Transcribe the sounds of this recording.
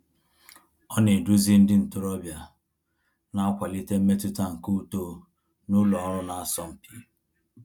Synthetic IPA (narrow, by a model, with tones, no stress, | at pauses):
ɔ˦ne˨du˦zi˦n̩˦dɪ˦n̩˨tʊ˨ɾɔ˦bja˨ | na˦a˦kʷa˨li˦te˦m̩˦me˦tu˦ta˦ŋ̩˨ku˦to˦ | nʊ˦lɔ˨˦ɾʊ˦na˨a˦sɔ˦m̩˨pi˦